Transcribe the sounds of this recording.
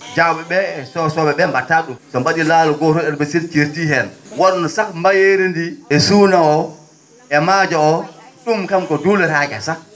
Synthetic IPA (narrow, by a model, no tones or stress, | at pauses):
d͡ʒawɓɛɓɛɛsɔsɔbɛɓɛmbatːaɗumsɔmbaɗilaːlɔɡɔtɔɛɾbesilkiɾtiɦɛnwaɗnɔsakmbajeɾindiɛsuːnaɔ | ʔɛmaːd͡ʒaɔɗumkamkɔdulɛɾakɛ̰sak̚